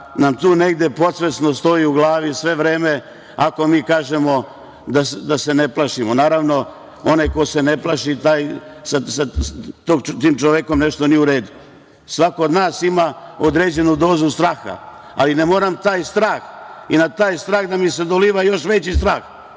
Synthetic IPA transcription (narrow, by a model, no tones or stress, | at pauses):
namt̪uːne̞ɡd̪je̞po̞t̪sʋesnost̪o̞iuɡlˠaːʋisʋe̞ʋɾe̞ːme̞ | ako̞miːkaːʒemo̞ | d̪asd̪ase̞neplˠaʃimonaːɾaʋno̞ | o̞neko̞se̞neplˠaʃit̪aːjsasat̪oɡt̪iːmt͡ʃoʋeko̞mne̞ʃt̪onijɛuɾe̞ːd̪u | sʋakood̪naːsimaod̪ɾeːd͡ʑe̞nud̪o̞ːzust̪ɾaːxa̰ | alinemoːɾamt̪aːjst̪ɾaːxinat̪aːjst̪ɾaːɣd̪amise̞d̪oliːʋajo̞ʃʋet͡ɕist̪ɾaːx